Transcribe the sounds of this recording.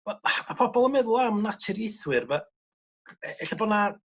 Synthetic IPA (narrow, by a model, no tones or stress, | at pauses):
vɛlˠmapʰɔbɔlˠəmɛðʊlˠamnatʰɪɾjɪθwɨrva | ɛɬabɔna